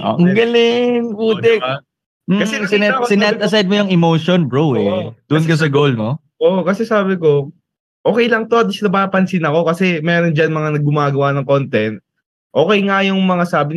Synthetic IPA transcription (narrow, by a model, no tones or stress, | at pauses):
ʔo̰ɡɐlɪnkuːt̪ɛ | m̩ːkɐsɛsɪɛsɪnant̪ɐs̬ajd̪̚mojʊŋɪmoːʃonbɹowɛd̪̥ʊʔnkɐs̬ɐɡolmo | ʔoʔokɐsɛsaːbɪko̞ | ʔoːkɛjlɐŋt̪o̞ɐd̪ɪslɐbaːpɐnsɪnɐko̞kɐsɛmɛːɾond͡ʒɐnmɐŋanɐɡʊmaːɡɐwanɐŋko̞nt̪ɛnt̪̚ | ʔo̞ːkɛjŋajʊŋmɐŋasaːbɪ